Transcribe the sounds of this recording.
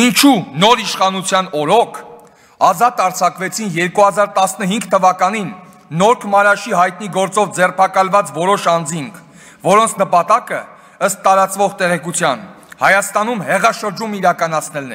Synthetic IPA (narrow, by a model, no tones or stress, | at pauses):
int͡ʃʰunɔɾiʃχɑnut͡sʰjɑn̪ɔɾɔkʰ | ɑzɑt̪ɑɾt͡sʰɑkvɛt͡sʰinjɛɾkuɦɑzɑɾt̪ɑsnəɦiŋɡt̪ʰəvɑkɑninː | ɔɾkʰəmɑɾɑʃiɦɑjt̪̚niɡɔɾt͡sɔvd͡zɛrpʰɑkɑlvɑt͡svɔɾɔʃɑnd͡ziŋkʰ | vɔɾɔnt͡sʰnəpɑt̪ɑkə | əst̪ːɑɾɑt͡svɔʁt̪ɛʁɛkut͡sʰjɑ̰n | hɑjɑst̪ɑnumhɛʁɑʃəɾd͡ʒumiɾɑkɑnɑt͡sʰnɛlnɛ